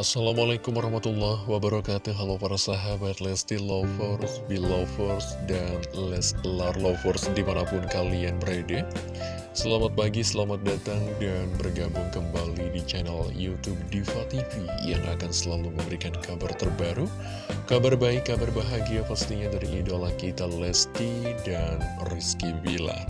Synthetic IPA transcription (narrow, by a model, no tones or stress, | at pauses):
ʔasːalamalakumaɾahmat̪ulːɔhwabəɾakat̪uɦalapaɾasaɦabat̪lɛst̪ilɔfɔrsbilɔfɔrsdanlɛst̪larlɔfɔrsdimanapʊnkalianbəɾada | səlamat̪̚paɡisəlamat̪̚dat̪aŋdanbərɡabʊŋkəmbalidit͡ʃanaljut̪ub̚difat̪ifijaŋʔa̰kansəlaluməmbəɾikankabart̪ərbaɾu | kabarbaɪkːabarbaɦaɡiapast̪iɲadaɾiʔːdolahkit̪alɛst̪idanriskibila̰